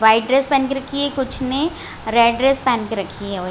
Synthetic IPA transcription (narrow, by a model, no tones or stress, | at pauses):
ʋaːɪʈɖɾeːspɛ̃ːnkeɾɐkʰiɦɛkʊt͡ʃʰne | ɾeːɖɾeːspɛ̃ːnkeɾɐkʰiɦɛo